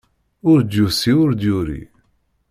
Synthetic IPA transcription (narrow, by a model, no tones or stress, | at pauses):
ʊɾd̪jusiʊɾd̪jʊɾḭ